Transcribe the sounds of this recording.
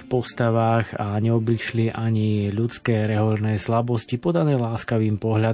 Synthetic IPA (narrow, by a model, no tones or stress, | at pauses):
pɔst̪aʋaːɣaɲɛɔbliʃliʔaɲiʎut͡skɛːɾɛɦɔlnɛːslabɔscipɔd̪anɛːlaːskaʋiːmpɔɦʎa